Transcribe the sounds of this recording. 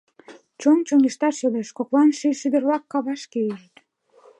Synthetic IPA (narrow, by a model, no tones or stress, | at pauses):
t͡ɕont͡ɕoŋiʃt̪ɑʃeleʃkoklɑnʃiʃyd̪ə̆rβɑkːɑβɑʃkeiʒt̪